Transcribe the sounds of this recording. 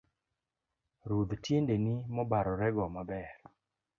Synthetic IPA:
ɾud̪tjendenimɔbaɾɔɾɛɡɔmabɛr

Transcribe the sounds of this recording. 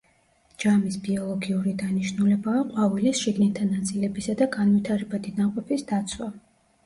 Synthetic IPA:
d͡ʒamisbiɔlˠɔɡiuɾid̪aniʃnulɛbaːqʼwavilisʃiɡnɛt̪ʰːanat̪sʼilɛbisad̪aɡanvit̪ʰaɾɛbad̪id̪aqʼɔpʰisd̪at̪sʰwa

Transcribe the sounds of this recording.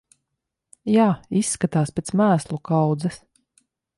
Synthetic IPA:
jaːisːkat̪aːspʲet̪smæːslˠukawd̪zɛs

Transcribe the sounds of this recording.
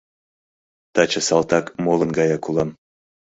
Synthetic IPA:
t̪ɑt͡ɕə̆sɑlˠt̪ɑkmolˠɤ̆nɡɑjɑkulˠɑm

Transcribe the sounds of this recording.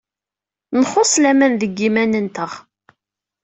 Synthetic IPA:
nχosˤlæmænðəɡːimænənt̪əʁ

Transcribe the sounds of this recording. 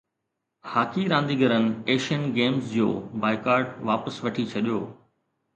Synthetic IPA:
haːkʰiɾãːnd̪iɡʱɐɾənɪ̆eːʃiənɡeːmsd͡ʑo̰ːbaːɪkaːɾɖʋaːpəsʋɐʈʰit͡ɕʰɐɗijoː

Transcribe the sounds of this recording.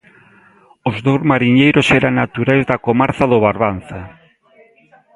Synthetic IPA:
ozðowzmaɾiɲejɾʊsɛɾaŋnat̪uɾajzðakomaɾθaðoβaɾβan̟θa

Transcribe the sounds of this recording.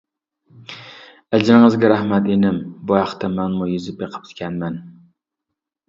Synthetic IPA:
ad͡ʒɪɾŋɨzɡʲaɾahmat̪enɪmbɒjɑχt̪amanmʊjɪzɪpjeqʰɨ̥p̪̚kʲʰanman

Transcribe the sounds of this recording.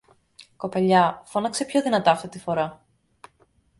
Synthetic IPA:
ko̞pɐʎɐfo̞nɐkse̞pço̞ðinɐt̪ɐɐft̪it̪ifo̞ɾɐ

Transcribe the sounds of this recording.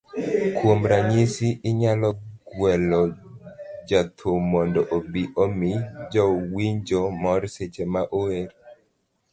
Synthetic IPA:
kwomɾaɲisiʔɪɲalɔɡwɛlɔ | d͡ʒat̪ʰomɔndɔʔobiʔomid͡ʒɔwiɲd͡ʒomɔɾset͡ʃemaʔoeɾ

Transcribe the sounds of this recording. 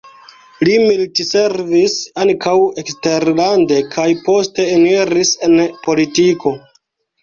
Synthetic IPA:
limiltise̞ɾvisaŋkʰawe̞kste̞ɾlande̞kʰajpo̞ste̞ːneɾise̞npo̞litiko̞

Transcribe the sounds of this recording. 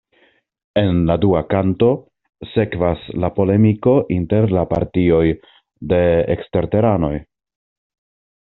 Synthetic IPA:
e̞nladuakanto̞ | se̞kvaslapo̞le̞miko̞ʔinte̞ɾlapa̰ɾtio̞j | de̞ḛkste̞ɾte̞ɾano̞j

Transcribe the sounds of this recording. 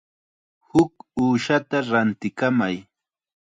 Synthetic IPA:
hʊkuːʃat̪aɾant̪ɪkamaj

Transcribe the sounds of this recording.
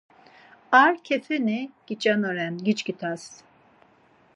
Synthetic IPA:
aɾcʰefeniɡ̥it͡ʃʼanoɾɛnɡit͡ʃcit̪ʰas

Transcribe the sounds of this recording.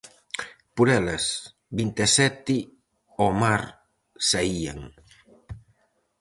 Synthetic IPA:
puɾɛlɐs | bint̪esɛt̪ɪ | omaɾ | saia̰ŋ

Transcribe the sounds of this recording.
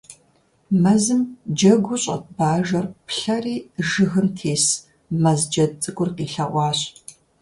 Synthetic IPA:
mɐzɨmd͡ʒɐɡʷʊɕʼɐ̰t̚baːʒɐrpɬɐriːʒɨɣɨmtʰeːs | mɐzd͡ʒɐt͡sʼɨkʷʼʊrqiːɬɐʔʷɑːɕ

